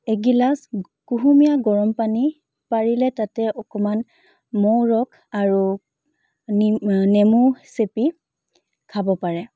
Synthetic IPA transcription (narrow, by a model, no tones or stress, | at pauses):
eɡilas | kuɦumijaɡɔɹɔmpani | paɹilɛtatɛɔkɔman | mɔwɹɔkʰ | aɹu | nemusepi | kʰabɔpaɹɛ